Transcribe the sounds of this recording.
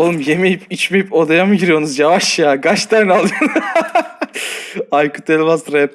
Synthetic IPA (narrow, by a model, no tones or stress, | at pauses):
olˠɯmje̞me̞jipit͡ʃmejipo̞d̪ajamɯɟiɾijo̞nuzjavaʃjaːɡaʃt̪ʰaɾnalˠɯjon | ajkʰu̥t̪ʰelʲvazt̪ɾɛp